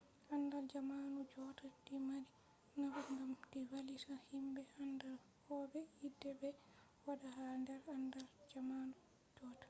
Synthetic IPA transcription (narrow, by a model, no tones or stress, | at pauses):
ʔandald͡ʒamanud͡ʒɔːtad̥imaɾi | nabuŋɡamdiwalisahimbɛandaɾ | hɔːbɛidːɛbɛ | waɗaɦandɛɾandald͡ʒamaːnu | d͡ʒɔːtḁ